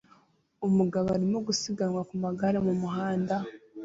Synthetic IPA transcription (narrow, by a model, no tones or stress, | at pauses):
umuɡaβaaɾimoɡusiɡanwakumaɡaɾemumuɦaːnda